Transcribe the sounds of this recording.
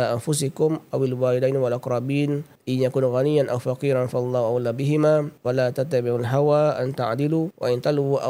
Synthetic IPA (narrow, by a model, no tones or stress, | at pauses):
aʔanfʊs̬ɪkʊmʔawalwaːlɪd̪ajnwalʔaqɾˤɑbiːn | ʔɪnjakuːnɣanɪjːanʔawfaqiːɾanfaɑlˤːɑːhʔawalːabɪɦɪmaːwalaːt̪at̪ːabɪʕalɦawaːʔant̪a̰ʕd̪ɪluːwʔa̰ʔɪnt̪alɣuːʔa̰